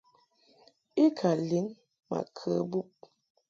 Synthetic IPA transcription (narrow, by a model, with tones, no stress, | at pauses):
i˦kʰa˨li˨˦ŋ | ma̰˨kʰə˦bu˦p̚